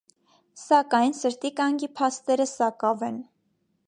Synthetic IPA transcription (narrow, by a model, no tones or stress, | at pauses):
sɑkɑjnsəɾt̪ikɑŋɡipʰɑst̪ɛɾəsɑkɑvɛn